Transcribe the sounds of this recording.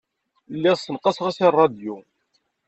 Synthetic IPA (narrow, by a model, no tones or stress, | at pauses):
lːɪʁsˤːənqɑsʁæsirˤːɑd̪ju